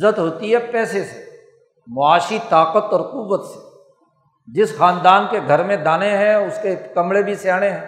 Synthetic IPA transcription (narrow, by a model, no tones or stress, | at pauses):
zət̪ɦoːt̪iɦɛpɛːsese̥ | mʊaːʃit̪aːqət̪ɔːɾquːʋət̪se̥ | d͡ʒɪsxãːnd̪aːnkeɡʱəɾmẽd̪aːneɦɛ̃ʊskekɐmɽebʱiseaːneɦɛ̃ː